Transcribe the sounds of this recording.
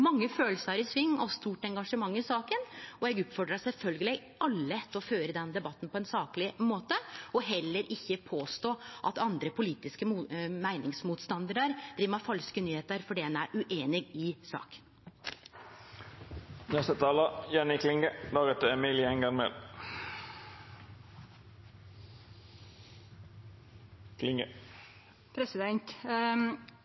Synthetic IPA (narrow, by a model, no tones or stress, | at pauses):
mɑŋːəføːləsɑɾɪsʋɪŋːɔst̪uːʈɛŋɡɑʂəmɑŋːɪsɑːkənɔɛɡʉpfɔɖɾɑsɛlfœlɡəlɛ | ɑlːət̪ːɔføːɾəd̪ɛnd̪ɛbɑt̪ːn̩pɔɛnsɑːklɪmoːt̪əɔɦɛlːəɾʔɪçːəpʰoːst̪oːʔɑt̪ɑnd̪ɾəpʰʊliːt̪ɪskəmæɪnɪŋsmuːt̪st̪ɑnd̪əɾəɾd̪̥ɾiːʋɑfɑlskənyːheːt̪əɾfɔɖɛɛnæɾʉʔeːnɪɡɪsɑ̰ːk̪ | nɛst̪ət̪ʰɑːləjɛnɪkʰlɪŋɡəd̪ɑːɡət̪ːəɛmiːlɪɛŋɡɑŋmḛːl | kʰlɪŋɡə | pʰɾɛsɪd̪ɛnt̪